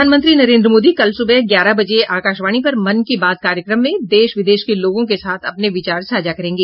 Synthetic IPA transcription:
anmə̃nt̪ɾinɐɾẽːnd̪ɾəmoːd̪ikɐlsʊbɛɦɡjaːɾabɐd͡ʒeʔaːkaːʃʋaːɽ̃ipɐɾmɐnkebaːd̪̚kaːɾjəkɾəmːẽd̪eːʃʋɪd̪eːʃkeloːɡõkesaːt̪ʰɐpneʋɪt͡ʃaːɾʃaːd͡ʒakɐɾẽːŋɡeː

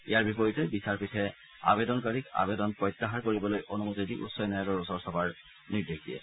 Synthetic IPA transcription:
ijaɹbipɔjitɛbisaɹpitʰɛ | a̰bedɔnkaɹika̰bedɔnpɹɔjtːaɦaɹkoɹibɔlojʔonumutidiʔṵtsɔjnɔalɔɹɔsɔɹsɔbaɹ | niɹdekʰdiɛ̰

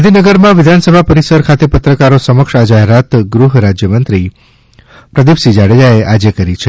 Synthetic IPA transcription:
d̪ʱinəɡəɾmãʋɪd̪ʱansəbʱapəɾisəɾkʰat̪epət̪ɾəkaɾosəməkʃad͡ʒaɦeɾat̪ɡɾuɦɾad͡ʒjəmənt̪ɾi | pɾəd̪ibsid͡ʒaɽejaeʔad͡ʒekəɾit͡ʃʰe

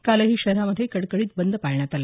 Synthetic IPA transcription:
kaləɦiːɕəɾaməd̪ʱːjekəɽkəɽiːt̪̚bənd̪ʱəpajɳjat̪ale

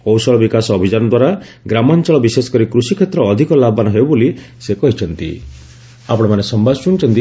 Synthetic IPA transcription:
kɔwsɔɭɔbikasɔːbʱid͡ʒanɔd̪waɾa | ɡɾamɔnt͡ʃɔɭɔbisesɔ̥kɔɾikɾusikʰet̪ɾɔːd̪ʱikɔlabanɔɦebɔboli | sekɔɦit͡ʃʰɔnt̪ḭ | apɔɽ̃ɔmanesɔmbʱat͡ʃunt͡ʃʰɔnt̪i

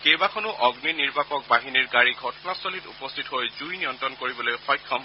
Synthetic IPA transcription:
kejbakʰɔnʊʔɔɡniniɹbakɔk̚baɦiniɹɡaɹiɡʱɔtɔnasɔlitṵpɔstʰitɦojzujnijɔntɹɔnkoɹibɔlojxɔjkʰːɔm

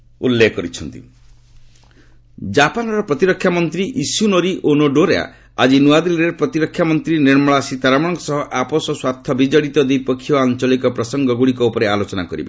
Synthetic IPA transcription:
ṵlːekɔɾit͡ʃʰɔnt̪ḭ | d͡ʒapanɔɾɔpɾɔt̪iɾɔkʰjamɔnt̪ɾiʔisunɔɾiʔonoɖoɾea̰ | ad͡ʒinuad̪ilɾeɾpɾɔt̪iɾɔkʰːjamɔnt̪ɾiniɾmɔɭasit̪aɾamɔɽ̃ɔŋkɔsɔɦɔʔapɔsɔswat̪ʰːɔbid͡ʒaɽit̪ɔd̪ejpɔkʰːijɔant͡ʃɔlikɔpɾɔsɔŋɡɔɡuɽikɔupɔɾealot͡ʃɔnakɔɾḭbḛ

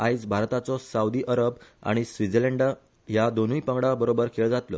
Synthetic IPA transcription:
ajid͡zbʱaɾt̪at͡sɔsaud̪iːʔəɾəba̰ɽ̃isʋid͡zeleɳɖa | ɦjad̪onuipəŋɡɽabəɾobəɾkʰeld͡zat̪lɔ̰

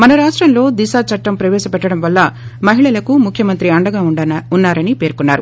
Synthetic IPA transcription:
mɐnɐɾaːʂʈɾɐmlo̞ːd̪isaːt͡ʃɐʈːɐmpɾɐʋɛːʃɐpɛʈːɐɽɐmʋɐlːɐmɐɦiɭɐlɐkumukʰjɐmɐnt̪ɾiɐɳɖɐɡaːuunːaːɾɐnipe̞ːɾkunːaːɾu

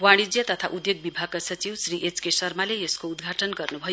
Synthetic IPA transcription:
waɽ̃id͡zjʌt̪ʌt̪ʰaʔud̪joɡ̚bibʱaɡ̚kasʌt͡siwsriʔet͡skesʌrmalejʌskoud̪ɡʱaʈʌnɡʌrnubʱʌj

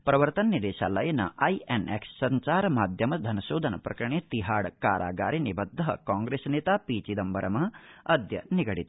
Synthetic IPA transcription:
pɾɐʋɐɾt̪ɐnːɐd̪eːʃa̰ːlɐjɐnɐ̰ʔɐjeneksːɐɲt͡ʃaːɾmaːd̪ʱjɐmɐd̪ʱɐnɐʃoːd̪ʱɐnɐpɾɐkɾɐɳeːt̪iɦaːɽkaːɾʔa̰ːɡa̰ːɾinibɐd̪ʱːɐɦɐ̰kaːŋɡɾesneːt̪aːpiːt͡ʃid̪ɐmbɐɾɐmɐɦɐd̪jɐ̰niɡɐɽit̪

